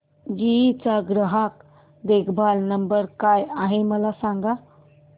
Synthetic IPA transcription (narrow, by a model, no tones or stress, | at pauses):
d͡ʒit͡saɡɾəɦak | d̪ekʰbʱalnəmbəɾkajaɦeməlasãŋɡa